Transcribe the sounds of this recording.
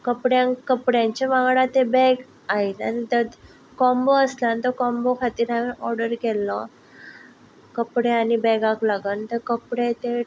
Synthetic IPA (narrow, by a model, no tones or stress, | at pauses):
kəpɽjãnkəpɽjãɲt͡ɕeʋaɡɽat̪ebɛɡ | aɦit̪a̰nit̪ət̪ | kɔmboəslant̪əkɔ̃mbokʰat̪iːɾɦamiʔɔɾɽəɾkɛlːɔ | kəpɽeanibɛɡaklaɡənt̪əɾkəpɽet̪e